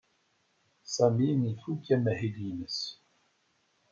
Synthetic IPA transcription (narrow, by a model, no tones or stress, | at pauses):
saminifukæmæhid̪inəs